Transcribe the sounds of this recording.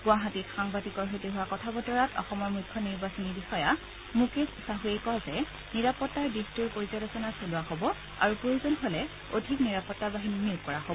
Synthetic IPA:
ɡʊaɦatitxaŋbatikɔɹɦotiɦʊwakɔtʰabɔtɔɹatɔ̰xɔmɔɹmukʰjɔniɹbasɔnibixɔja | mukessaɦuejkɔzɛ | niɹapɔtːaɹdistuɹpoɹizɔɾɔsɔnasolʊwaɦobɔ | a̰ɹupɹojuzɔnɦolɛ | odʱikniɹapɔtːabaɦinimiɹkɔɹaɦoɔ

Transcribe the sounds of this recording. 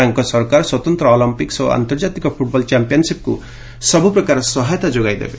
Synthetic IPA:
aŋkɔsɔɾkaɾswɔt̪ɔnt̪ɾɔɔlɔmpikso̰a̰nt̪ɔɾd͡ʒat̪ikɔpʰuʈ̚bɔlt͡ʃampijɔnsip̚kṵ | sɔbupɾɔkaɾɔsɔɦajt̪ad͡ʒoɡajd̪ḛbe

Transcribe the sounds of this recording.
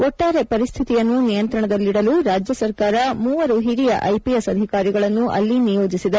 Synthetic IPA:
ɔʈːaːɾe̞pɐɾist̪ʰit̪ijɐnːunijɐnt̪ɾɐɳɐd̪ɐlːiɽɐluɾaːd͡ʒjɐsɐɾkaːɾɐmuːʋɐɾuɦiɾijɐ̰ʔɐjpijesɐd̪ʱikaːɾiɡɐɭɐnːuʔɐ̰lːinijo̞ːd͡ʒisid̪ɐ

